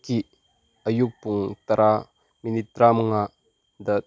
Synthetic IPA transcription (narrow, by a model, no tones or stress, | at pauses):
ki | əjuk̚puŋt̪ɐɾʔa | minit̪ːɾamŋa | d̪ɐ